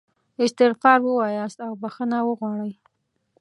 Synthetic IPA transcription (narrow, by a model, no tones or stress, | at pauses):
ɪst̪ɪɣfɑɾwəwɑjɑst̪awbaxənawəɣwɑɽəj